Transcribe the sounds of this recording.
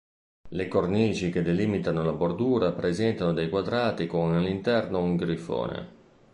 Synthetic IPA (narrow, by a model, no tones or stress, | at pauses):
lekorniːt͡ʃik̟ed̪eliːmit̪anolabord̪uːɾapɾezɛnt̪anod̪ejkwad̪ɾaːt̪ikomalːint̪ɛrnouŋɡɾifo̰ːnḛ